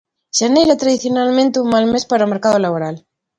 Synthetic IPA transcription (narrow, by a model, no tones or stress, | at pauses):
ʃanejɾat̪ɾaðiθjonalmẽnt̪euŋmalme̞spaɾaomeɾkaðolaβoɾal